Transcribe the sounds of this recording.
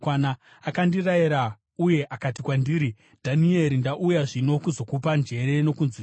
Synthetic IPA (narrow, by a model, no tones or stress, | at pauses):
wana | akandiraiɾa | uje̞ʔakatikwandiːɾi | d̥ʱanie̞ɾindaʔujaʐino̞kuzo̞kupand͡ʒe̞ɾe̞no̞kunzi